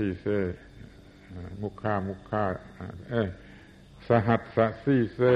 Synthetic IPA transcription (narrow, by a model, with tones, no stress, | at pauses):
iː˧˨se˧˨˧ | mu˧kʰːaː˧˩mu˧kʰːaː˧˩˨ʔe˧ | sa˧ɦa˧t̪̚sa˧ʔsiː˧˩se˧˨